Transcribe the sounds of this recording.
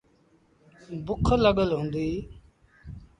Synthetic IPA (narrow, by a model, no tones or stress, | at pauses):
bʊkʰləɠəlɦʊ̃ːnd̪iː